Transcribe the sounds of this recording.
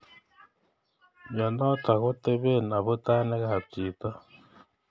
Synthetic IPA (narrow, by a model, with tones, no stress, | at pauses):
ja˨no˦ta˨ɣo˦te˦βe˦na˨βu˦ta˦ne˦ɣa˨ha˨t͡siː˨ta˦